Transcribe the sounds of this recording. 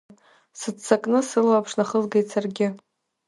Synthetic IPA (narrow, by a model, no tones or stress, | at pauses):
sɨdt͡sʰakʼnɨsɨlwapʰʂnaχəzɡajt͡sʰarɡʲɪ